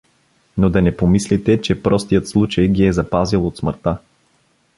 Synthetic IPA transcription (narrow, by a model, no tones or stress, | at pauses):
nod̪ɐnɛpomislit̪ɛt͡ʃɛpɾɔst̪ijət̪slˠut͡ʃɐjɡiɛzɐpazilˠot̪sməɾt̪a